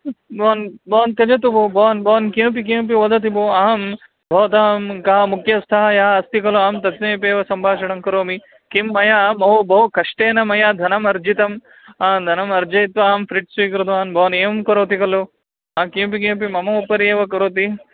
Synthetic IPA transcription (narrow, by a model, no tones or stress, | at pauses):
bɔːnbɔːnt̪ɐd͡ʒɐt̪̬ubʱobɔːnbʱɐːnkĩp̬ik̬ĩːmp̬iʋɐd̪ɐt̪̬iboːaɦɐm | bʱɐʋt̪aːmkɐɦɐmukjɐst̪ʰaːɦɐjaːɐst̪ikɐloaːmt̪ɐt̪nɐjpeːʋɐsɐmbʱaːʃɐɽɐmkɐɾoːmi | kimːɐjaːmɐɦobʱɐɦukɐʂʈeːnɐmɐjaːd̪ʱɐnɐmɐɾd͡ʒit̪ɐm | aːd̪ʱɐnɐmɐɾd͡ʒɐjt̪ʋɐaːmfɾiʈsujkɾud̪ʋaːnbʱɐːneːmkɐɾoːt̪ikɐlo | aːkĩp̬ikĩp̬imɐmɐupɐɾeːʋɐkɐɾoːt̪i